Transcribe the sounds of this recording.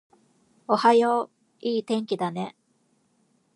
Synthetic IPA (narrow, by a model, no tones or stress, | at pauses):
o̞hajoː | iːt̪ẽ̞ŋkʲid̪ane̞